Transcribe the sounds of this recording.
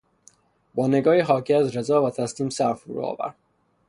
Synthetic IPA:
bɒːne̞ɡɒːhiɦɒːcʰiːæzɾe̞zɒːvæt̪ʰæsliːmsæɾfuɾṵɒ̰ːvæ̰ɾd̪̥

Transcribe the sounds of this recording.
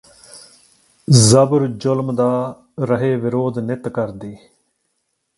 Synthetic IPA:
zəbəɾd͡ʒʊlmd̪aː | ɾəɦeːʋɪɾoːd̪nɪt̪kəɾd̪iː

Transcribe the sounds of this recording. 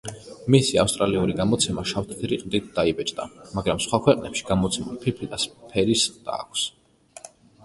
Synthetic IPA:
misia̰fst̪ʼɾaliuɾiɡamɔt̪sʰɛmaʃaft̪ʰt̪ʰɾiq̪ʼd̪it̪̚ʰd̪̥aibɛt͡ʃʼd̪amaɡɾamsχwakʰwɛqʼnɛ̰pʃi̥ɡ̥amɔt̪sʰɛmulˠpʰiɾpʰid̪aspʰɛɾisqʼd̪a̰ːkʷʰs

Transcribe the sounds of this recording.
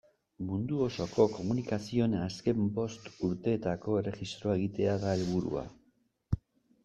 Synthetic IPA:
mund̪uo̞so̞ko̞ko̞munikasio̞naske̞mbo̞st̪uɾt̪e̞ːt̪ako̞ere̞xist̪ɾo̞ae̞ɣ̞it̪e̞aðae̞lβuɾṵa̰

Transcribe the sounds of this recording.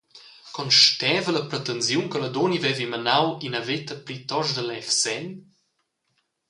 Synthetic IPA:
kɔnʃtɛːvələpɾɛt̪ənzjunkələd̪onivɛvimɐnawinəvet̪əpɾit̪ɔʃd̪əlɛfsɛn

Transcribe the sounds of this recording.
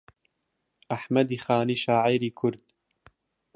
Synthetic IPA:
ʔaħmɐd̪iːxaːniːʃaːʕijɾiːkʰʊɾd̪̥

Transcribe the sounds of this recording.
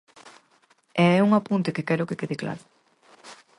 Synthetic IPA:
ɛɛuŋapunt̪ekekɛɾʊkekeðekla̰ɾʊ

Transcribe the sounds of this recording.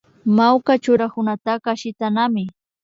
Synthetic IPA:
mawkat͡ʃʊɾakʊnat̪akaʃɪt̪anamɪ

